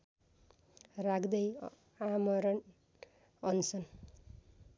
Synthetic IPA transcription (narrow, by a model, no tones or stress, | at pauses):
rakʰd̪ʌj | amʌɾʌn | ʌnt͡sʌn